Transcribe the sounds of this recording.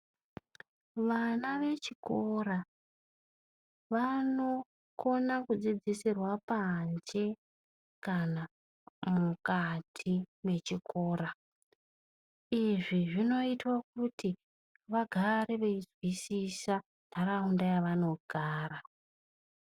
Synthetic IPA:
ʋanaʋe̞t͡ʃiko̞ra | ʋano̞ | ko̞nakud͡zid͡zisirwapand͡ʒe̞ | kana | mukatʰime̞t͡ʃikʰo̞ːɾa | iʐiʐino̞itwakuti | ʋaɡʱareʋeizwisisa | ndʱaɾaundajaʋano̞ɡ̥ʱaːra

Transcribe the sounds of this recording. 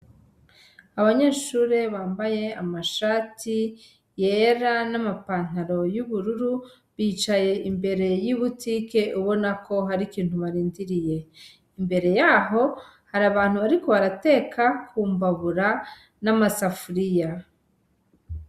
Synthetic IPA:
aβaɲeːʃuːɾe̞βaːmbaje̞amaʃaːti | je̞ɾanamapaːn̥aɾo̞juβuɾuɾu | βiːt͡ʃaje̞ʔimbe̞ɾe̞jiβutiːke̞ʔuβo̞nako̞ɦaɾikiːn̥huβaɾiːndiɾije̞ | imbe̞ɾe̞jaːɦo̞ | haɾaβaːn̥uβaɾiko̞βaɾate̞ːkʰakʰuːmbaβuɾa | namasafuɾija

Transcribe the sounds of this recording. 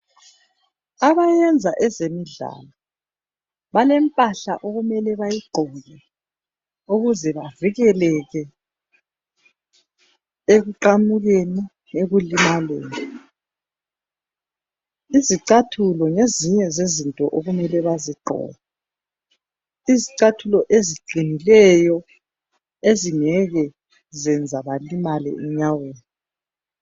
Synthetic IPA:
aβajɛnd͡zʱaʔɛzemiɮa̰lɔ | βalɛmpʼaɬa̰ʔoɣumɛlɛβajiɡ͡ǃʱɔjɛ | uɣuzɛβaviɣɛlɛɣɛ | eɣuǃamuɣeni | eɣulimalḛːni | iziǀatʰulɔŋeziɲɛzezintʼɔʔoɣumɛlɛβaziɡ͡ǃʱɔ̰ːβa | iziǀatʰulɔʔeziǃʱinilɛjɔ | eziŋɛɣɛ | zɛnd͡zʱaβalimalɛ̰ʔɛɲaweːni

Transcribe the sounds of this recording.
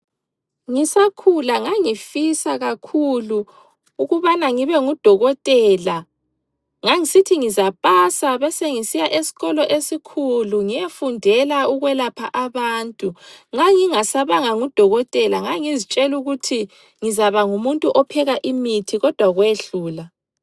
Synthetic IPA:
ŋisakʰulaŋaŋifisaɣakʰuluː | ɣuβanaŋiβɛŋud̥ʱɔɣɔtʼɛːla | ŋaŋisitʰiŋizapʼasaβɛseŋisijaʔesi̥ɣɔlɔʔesikʰuluŋijefundʱɛlauɣwɛlapʰaʔaβaːntʼuŋaŋiŋasaβaŋaŋud̥ʱɔɣɔtʼɛlaŋaŋizit͡ʃʼɛluɣutʰi | ŋizaβaŋumuntʼuʔɔpʰɛɣaʔimitʰiɣɔd̥ʱwaɣweɬuːla

